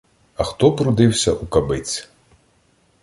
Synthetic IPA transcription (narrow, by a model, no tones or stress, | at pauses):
ɐxt̪ɔpɾud̪ɪwsʲɐʔukabɪt͡s̪ʲ